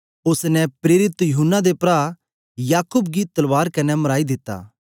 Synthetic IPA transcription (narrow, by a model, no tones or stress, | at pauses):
ʊsnɛpɾeːɾɪt̪jʊɦʊnːad̪epɾaː | jaːkʊbɡit̪ɐlʋaːɾkɐnɛmɐɾaːid̪ɪt̪ːa̰ː